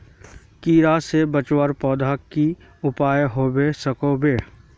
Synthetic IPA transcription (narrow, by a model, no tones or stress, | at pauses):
kiːɾasebət͡ʃwəɾpɔːd̪ʱaki | ʊpaːjɦoːbesəkobeː